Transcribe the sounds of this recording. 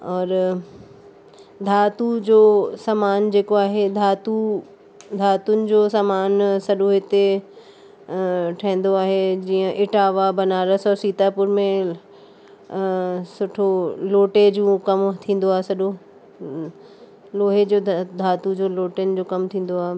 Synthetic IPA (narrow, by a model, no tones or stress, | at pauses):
ɔːɾ | d̪ʱaːt̪ud͡ʑoːsamaːnd͡ʑeːkoaːɦed̪ʱaːt̪u | d̪ʱaːt̪ʊnɪ̆d͡ʑoːsamaːnsɐɗõɦɪt̪e | ʈʰɐ̃ɦɪ̃n̆d̪oaːɦed͡ʑiːə̃ʔɪʈaːʋabɐnaːɾəsɔːɾsiːt̪apʊɾmẽ | sʊʈʰoloːʈed͡ʑũːkɐmt̪ʰĩːn̆d̪oaːɦesɐɗo | loːɦed͡ʑoːd̪ʱaːt̪ud͡ʑoːloːʈend͡ʑoːkɐmt̪ʰĩːn̆d̪oaːɦe